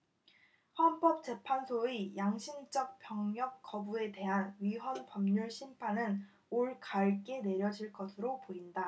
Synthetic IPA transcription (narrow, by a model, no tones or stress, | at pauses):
ɸwanp͈ʌp̚t͡ɕ͈e̞pʰansʰoijaŋɕʰimd͡ʑ͈ʌk̚p͈jʌŋɲjʌk̚k͈ːʌbue̞te̞ɦanɥiɦwʌnpʌmɲuɭɕʰimpʰanɯn | oɭkaɭk͈e̞ne̞ɾjʌd͡ʑiɭk͈ʌsʰɯɾopoinda